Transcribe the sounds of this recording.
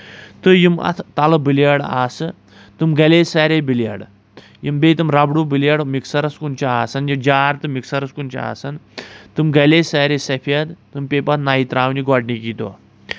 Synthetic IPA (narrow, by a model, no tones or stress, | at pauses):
t̪ɨjimɐ̰t̪ʰt̪alɐbiljaɽaːsɨ | t̪ɨmɡɐleːsaːɾebilja̰ɽ | jimbeːt̪ɨmɾabɽuːbiljaɽmiksɐɾɐskunt͡ʃaaːsɐnjid͡ʒaːɾt̪ɨmiksɐɾɐskunt͡ʃa̰a̰ːsɐnt̪ɨmɡɐlesaɾesɐpʰijad̪t̪ɨmpepat̪nait̪ɾaːwniɡaɖnikit̪o̰ː